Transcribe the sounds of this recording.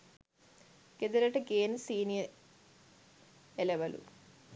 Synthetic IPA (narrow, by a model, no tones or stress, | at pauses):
ɡ̥ed̪ɐɾɐʈɐɡeːnsiːnijɐ | eleʋɐlṵ